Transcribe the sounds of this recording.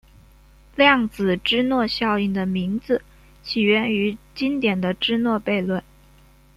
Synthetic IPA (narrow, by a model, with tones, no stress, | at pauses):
ljɑ˥˩ŋt͡sɹ̩˨˩ʈ͡ʂɻ̩˥nwɔ˥˧ɕjɑ˥˧ʊi˥˩ŋd̪ə˩mi˧˥ŋd͡zɹ̩˧ | t͡ɕʰi˨˩ɥɛ˥˩ny˧˥t͡ɕi˥nt̪jɛ˨˩nd̪ə˦ʈ͡ʂɻ̩˥nwɔ˥˧pe˥˧ɪlwə˥˩n